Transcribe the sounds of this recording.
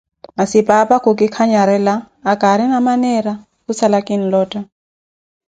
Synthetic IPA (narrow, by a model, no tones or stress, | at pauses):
masipʼapʼakʰʊkʼɪkʰaɲaɾɛlaː | kʼaɾinamanɛɾa | kusalakʼin̩lɔːtʼa